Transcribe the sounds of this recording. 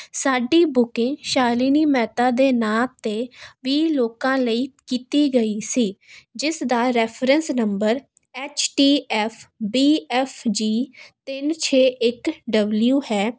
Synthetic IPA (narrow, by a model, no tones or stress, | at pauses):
saːɖiːbʊkɪ̃ːʃaːliːniːmɛːt̪aːd̪eːnaːt̪eːʋiːloːkãːləiːkiːt̪iːɡəiːsiːd͡ʒɪsd̪aːɾɛːpʰɾənsnəmbəɾ | ɛːt͡ʃʈiːɛːfʰbiːɛfʰd͡ʒiːt̪ɪnt͡ʃʰeːʔɪkɖəbljuːhɛː